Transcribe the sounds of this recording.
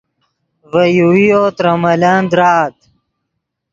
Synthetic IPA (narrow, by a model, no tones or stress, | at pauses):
vɐjuijot̪ɾɐmɐland̪ɾaːt̪